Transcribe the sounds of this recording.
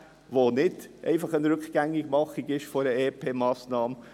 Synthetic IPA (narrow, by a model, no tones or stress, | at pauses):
ʋonɪdʔɛ̰ɪfɑχənɾʏkɡ̥æŋːɪɡ̥mɑχiɡɪʃfoɾəeːpʰeːmɑːsnɑːm